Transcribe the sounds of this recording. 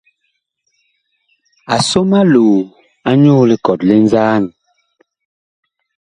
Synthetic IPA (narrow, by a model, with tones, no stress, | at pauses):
a˨so˦ma˦loː˨ | a˦ɲoː˦le˨kɔ˨tle˦n̩˦zaː˦n˨